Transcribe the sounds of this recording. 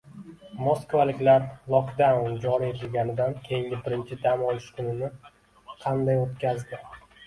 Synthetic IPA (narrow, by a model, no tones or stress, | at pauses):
moskvalɪkʲlaɾlˠɒχd̪amnd͡ʒɒɾie̞t̪ʰɪlɡʲanɪd̪ankʲʰe̞jɪŋɡʲɪbɪɾɪnt͡ʃʰɪd̪amɒlɪʃkʰʊnɪnɪ | qʰɑnd̪ajot̪kʲʰazd̪ɪ